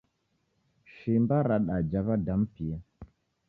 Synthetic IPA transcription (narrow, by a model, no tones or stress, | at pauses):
ʃimbaɾaɗad͡ʒaβadam̩pija